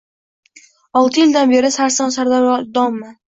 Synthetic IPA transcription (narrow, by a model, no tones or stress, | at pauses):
ɒlˠt̪ʰɪjɪlʲd̪anbeɾɪsaɾsɑnsaɾd̪ad̪ɒmːɪ